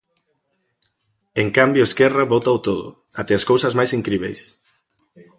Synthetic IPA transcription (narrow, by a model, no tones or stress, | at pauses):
eŋkambjoeskɛraβot̪awt̪oðʊ̰ | at̪easkowsɐzmajsiŋkɾiβ̞ɛ̰js